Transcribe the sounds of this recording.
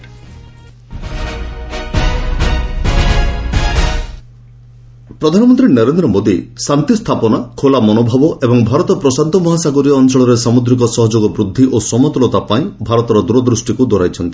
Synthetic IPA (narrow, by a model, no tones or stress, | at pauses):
pɾɔd̪ʱanɔmɔnt̪ɾinɔɾend̪ɾɔmod̪isant̪ist̪ʰapɔnakʰolamɔnobʱɔbɔʔebɔŋbʱaɾɔt̪ɔpɾɔsant̪ɔmɔɦasaɡɔɾiːnt͡ʃɔɭɔɾesamud̪ɾikɔsɔɦɔd͡ʒoɡɔbɾud̪ʱːiʔosɔmɔt̪lɔt̪apaĩbʱaɾɔt̪ɔɾɔd̪uɾɔd̪ɾusʈikud̪ɔɾajt͡ʃʰɔnt̪i̥